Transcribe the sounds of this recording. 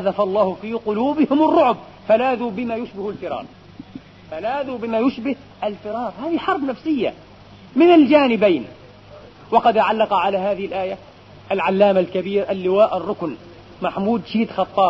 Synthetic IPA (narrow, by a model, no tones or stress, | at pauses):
aðafɑlˤːɑːhʊfiːqʊluːbɪhɪmɑrˤːʊʕʊb̚ | falaːðubɪmaːjʊʃbɪhalfɪɾˤɑ̰ːɾˤ | falaːðubɪmaːjʊʃbɪh | ʔalfɪɾɑːɾˤhaːðiħɑɾˤbnafsɪjːa̰ | mɪnald͡ʒaːnɪbajn | wɑqɑd̪ʕalːɑqɑʕalaɦaːðɪhɪlʔaːja | ʔalʕalːaːmalkabiːɾʔalːɪwaːʔɑrˤːʊkn | maħmuːd̪ʃiːd̪xɑt̪ˤːɑːb